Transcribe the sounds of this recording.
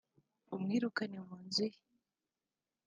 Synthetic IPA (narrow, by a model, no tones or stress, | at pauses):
umŋiːɾukanemuːnzi